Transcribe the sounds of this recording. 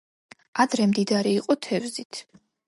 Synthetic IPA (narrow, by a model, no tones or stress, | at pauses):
ad̪ɾɛmd̪id̪aɾiːqʼɔt̪ʰɛvzit̪ʰ